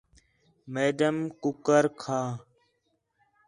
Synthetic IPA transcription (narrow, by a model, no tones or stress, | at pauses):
meːɖəmkʊkəɾkʰaː